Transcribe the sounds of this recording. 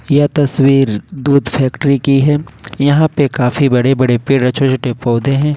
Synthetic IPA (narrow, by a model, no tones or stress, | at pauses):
jɐt̪ɐswiːɾd̪uːd̪fʰɛːkʈɾikiɦɛːjɐɦãpekaːfibɐɽebɐɽepeːɽɐt͡ʃʰot͡ʃʊʈepɔːd̪ẽɦɛ̃ː